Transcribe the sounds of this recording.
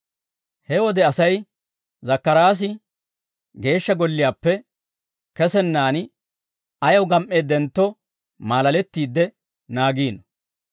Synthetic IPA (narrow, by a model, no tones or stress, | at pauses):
hɛwɔd̪ɛɐsɐj | zɐkːɐɾaːs̬ɪ | ɡe̞ːʃːɐɡɔlːɪjaːpːɛ | kɛsɛnːaːn | ɐjɐwɡɐmʔe̞ːd̪ɛnt̪ːɔ | maːlɐlɛt̪ːiːd̪ːɛ | naːɡiːnɐ